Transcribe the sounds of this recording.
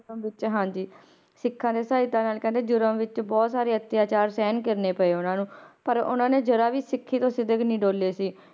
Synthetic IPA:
ɾmʋɪt͡ʃɦãːd͡ʒiː | sɪkʰːãːd̪eːsaːɪt̪ãːnaːlkɛ̃ːnd̪eːd͡ʒʊɾəmʋɪt͡ʃbɔːt̪saːɾeːət̪jaːt͡ʃaːɾsɛːnkɪɾneːpəeːʊnãːnũːpəɾʊ̰nãːneːd͡ʒəɾaːʋiːsɪkʰːiːt̪õːsɪd̪əknĩːɖoːleːsiː

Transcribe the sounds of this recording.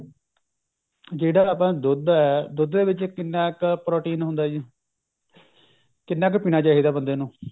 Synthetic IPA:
d͡ʒeːɽaːəːp̬ãːd̪ʊd̪ɛːd̪ʊd̪d̪eːʋɪt͡ʃkɪnːaːkpɾɔːʈiːnɦʊnd̪aːd͡ʒi | kɪnːɛːkpiːnaːt͡ʃaːɦiːd̪aːbənd̪eːnũː

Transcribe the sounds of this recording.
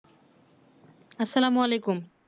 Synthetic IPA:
ɐsːɐlaːmuɐlejkum

